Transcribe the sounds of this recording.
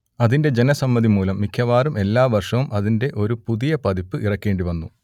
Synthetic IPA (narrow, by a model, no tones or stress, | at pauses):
ɐðinde̞d͡ʑe̞nɐsɐmːɐðimuːlɐmːikʰjɐʋaːɾumʔe̞lːaːʋɐrʂɐʋumʔɐðinde̞ʔo̞ɾupuðijɐpɐðipːɨʔirɐkʲːe̞ːɳɖiʋɐnːu